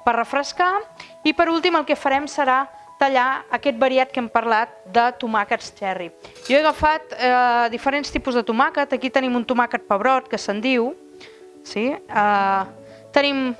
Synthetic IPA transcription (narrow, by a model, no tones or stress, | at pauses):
pərəfɾəska | ipəɾulˠt̪iməlˠkɛfəɾɛmsəɾa | t̪əʎaəkɛt̪̚bəɾiat̪̚kɛmpəɾlat̪̚d̪ət̪umakəst͡ʃɛrijɔeɣəfat̪əd̪ifəɾenst̪ipuzðət̪umakət̪əkit̪ənimunt̪umakət̪̚pəβɾɔt̪̚kəsənd̪iw | siə | t̪ənim